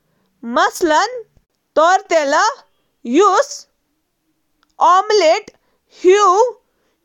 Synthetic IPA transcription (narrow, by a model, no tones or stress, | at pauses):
mɐslɐn | t̪ɔɾt̪elə | jus | ɔmleʈ | hju